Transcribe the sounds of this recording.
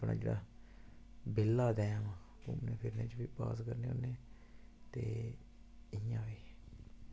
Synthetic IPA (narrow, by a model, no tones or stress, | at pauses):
pnʔa̰ːd͡ʒeːɽa̰ː | bɪlːaːd̪ɛ̃ːjãːʋãː | ʊmneːpʰɪɾneːt͡ʃbiːpa̰ːskəɾneːoːnẽː | t̪eː | ɪjãːʋiː